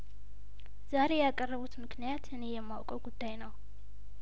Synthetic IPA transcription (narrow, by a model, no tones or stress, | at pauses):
z̥aɾe̞jakʼərːəβut̪mɨknijat̪ɨne̞jɛmːawkʼəwɡud̪ːajnəw